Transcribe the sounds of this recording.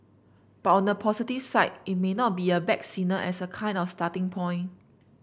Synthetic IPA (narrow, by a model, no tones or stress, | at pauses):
b̥atɔ̃nəpʰɔsitifsaɪt̚it̚menɔt̚biəbɛk̚sĩnəʔɛsəkʰãɪ̃ndɔfstatĩŋpʰɔ̃ɪ̃n